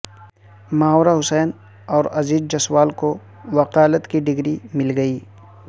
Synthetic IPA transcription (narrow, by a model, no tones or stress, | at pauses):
maːoːɾaɦʊsɛːn | ɔːɾɐziːd̪̚d͡ʒɐswaːlko | ʋɐqaːlət̪kiɖɪɡɾimɪlɡɐiː